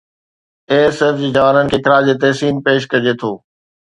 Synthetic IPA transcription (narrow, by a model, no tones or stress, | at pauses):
eːsəd͡ʑid͡ʑɐʋaːnənɪ̆kʰeːkɪɾaːd͡ʑeːt̪ɐɦsiːnpeːʃ̬kɐd͡ʑet̪ʰoː